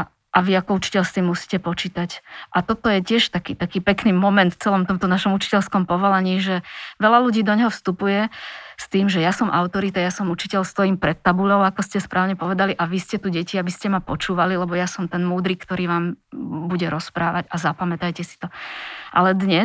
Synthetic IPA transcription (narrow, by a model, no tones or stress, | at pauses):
ʔaʋiakɔut͡ʃi̥cɛʎst̪imːusi̥ːcɛpɔt͡ʃiːt̪acʔat̪ɔt̪ɔjɛcɪɛʃt̪akiːt̪akiːpɛkniːmɔmɛnt̪ft͡sɛlɔmt̪ɔmt̪ɔnaʃɔmut͡ʃi̥cɛlskɔmpɔʋɔlaɲiːʒɛʋɛlaluɟiːd̪ɔɲɛɦɔfst̪upujɛst̪iːmʒɛjasɔmʔaʊt̪ɔɾit̪ajasɔmut͡ʃicɛʎst̪ɔjiːmpɾɛt̪ːabulɔʊakɔscɛspɾʔaːʊɲɛpɔʋɛd̪aliʔaʋiscɛt̪uɟɛciabiscɛmapɔt͡ʃuːʋalilɛbɔjasɔmt̪ɛnmuːd̪ɾiːkt̪ɔɾiːʋaːmbuɟɛɾɔspɾaːʋaɟazapamɛt̪ajcɛsi̥t̪ɔʔa̰lɛd̪ɲɛ